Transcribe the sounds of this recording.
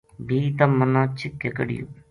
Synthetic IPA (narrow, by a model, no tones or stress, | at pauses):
bʱiːt̪ɐmːənãːt͡ʃʰɪkːekəɽḭjo̰